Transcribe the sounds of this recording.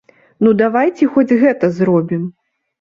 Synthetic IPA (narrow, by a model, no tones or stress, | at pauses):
nud̪avajt͡sʲɛxɔd͡zʲɣɛt̪ɐzɾɔbʲim